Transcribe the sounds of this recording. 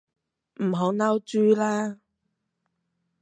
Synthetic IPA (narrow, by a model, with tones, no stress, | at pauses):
m̩˨˩ɦo˨˥na˥wt͡ʃyː˥laː˥